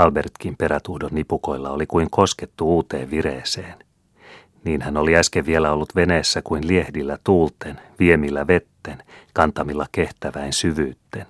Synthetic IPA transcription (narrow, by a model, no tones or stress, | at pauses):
ɑlbe̞rt̪k̟impe̞ɾæt̪uhdonːipuko̞ilːɑolikuiŋko̞sket̪ːuuːt̪ḛːʋʋiɾeːseːn | niːnhæno̞liæskeʋʋielæo̞lːut̪ʋe̞neːsːækuinliehdilːæt̪uːlt̪enʋiemilːæʋe̞t̪ːenkɑnt̪ɑmilːɑke̞ht̪æʋæinsyʋyːt̪ːen